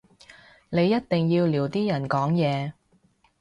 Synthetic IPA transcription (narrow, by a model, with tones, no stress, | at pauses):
ne˨˧jːɐ˥t̚t̪ɪ˨ŋjiː˧wliː˨˩wt̪iː˥jɐ˨˩nkɔː˨˥ŋjɛː˨˧